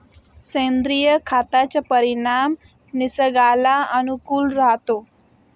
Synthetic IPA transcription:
sẽnd̪ɾijəkʰat̪at͡sapəɾinam | nisəɡalaənukuːlɾaɦt̪o

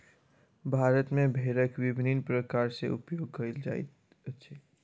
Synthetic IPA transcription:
bʱaːɾət̪mẽbʱeːɾəkwɪbninpɾəkaːɾsḛʔʊ̰pjoːɡ̚kəild͡ʒaḭt̪ | ətːʃʰe

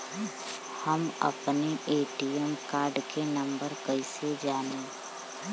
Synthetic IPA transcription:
həmɐ̰pneeːʈijəmkaːɾɖkenɐ̃mbəɾkəised͡ʒaːnẽ

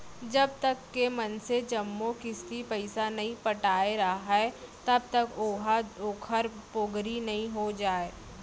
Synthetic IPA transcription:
d͡ʒɐb̚t̪ɐkːemɐnsed͡ʒɐmːokɪst̪ipɐɪsanɐɦĩpɐʈaːeɾɐɦaɦɛt̪ɐb̚t̪ɐkoːɦaoːkʰəɾpoɡɾinɐɦĩɦod͡ʒaːeː

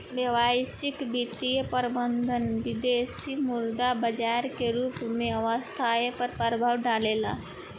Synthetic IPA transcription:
ʋjəʋaːsɪkbit̪ijəpəɾbənd̪ʱənʋɪd̪eːsimʊɾd̪abɐd͡ʒaːɾkeɾuːpmẽɐʋəst̪ʰajepəɾpəɾbʱaʋɖaːleːla̰ː

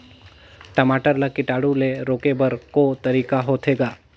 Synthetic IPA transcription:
ʈəmaːʈəɾlakɪʈaːɽuleɾoːkebəɾkot̪əɾiːkaɦot̪ʰeːɡaː

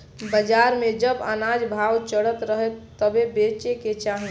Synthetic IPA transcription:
bəd͡ʒaːɾmẽd͡ʒəbə̰naːd͡ʒbʱaːwt͡ʃəɽət̪ɾəɦet̪əbebeːt͡ʃeket͡ʃaːɦi

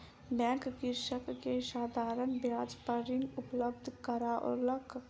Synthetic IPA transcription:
bɛ̃ːŋkkɪɾʃəkːeʃaːd̪ʱaːɾənbjaːd͡ʒpəɾɪnʊpləb̚d̪ʱkəɾaʔɔ̰ːɾləkʰ

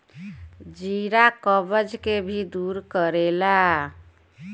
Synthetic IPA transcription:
d͡ʒiɾakəbəd͡ʒkebʱid̪uɾkəɾela

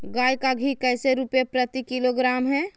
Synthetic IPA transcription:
ɡaːjkaɡʱikɛseɾupjepɾət̪ikiloɡɾaːmɦɛ

